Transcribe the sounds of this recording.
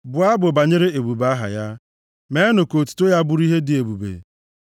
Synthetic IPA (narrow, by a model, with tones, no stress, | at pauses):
bʊ˨a˦bʊ˨ba˨ɲe˦ɾe˦e˨bu˨ba˦ɦa̰˨ja˦ | me˨˦nʊ˨ko˨tu̥˦to˦ja˦bʊ˦ɾi˦ɦe˦dɪ˨e˨bu˨bḛ˨